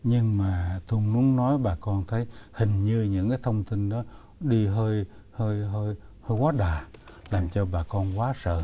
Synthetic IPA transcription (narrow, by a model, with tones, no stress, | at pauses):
ɲɨ˧ŋmaː˨˩t̪u˧ŋ͡mnu˨˦əŋnɔ˨˦jɓaː˨˩kɔ˧nt̪ʰə˨˦jhï˨˩ŋ̟ɲɨ˧ɲɨ̰˧˥ŋkaː˨˦jt̪ʰə˧wŋ͡mt̪i˧ŋɗɔ˨˦ | ɗi˧ɦəː˧j | həː˧jɦəː˧j | həː˧jkwaː˨˦ɗaː˨˩ | laː˨˩mt͡ɕɔ˧ɓaː˨˩kɔ˧nkwaː˨˦sə̰ː˧˨